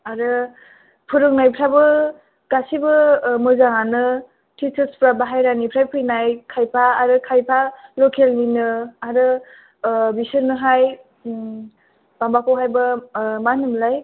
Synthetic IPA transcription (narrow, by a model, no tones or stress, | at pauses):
aɾɯ | pʰuɾɯŋnajpʰɾabɯ | ɡ̥asibɯmɯzaŋanɯ | tit͡ʃɯspɾabaɦajɾanipʰɾajpʰɯjnajkʰajpʰaːɾɯkʰajpʰalokʰelninɯaɾɯ | bisɯɾnɯɦaj | b̥ambakʰowɦajbɯmanɯmlaj